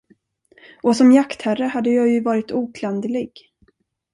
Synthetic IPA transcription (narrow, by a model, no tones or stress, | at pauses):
ʔɔsɔmjakt̪hærəhad̪ːəjɑːjɵvɑːɾɪt̪uːkʰland̪əlɪɡ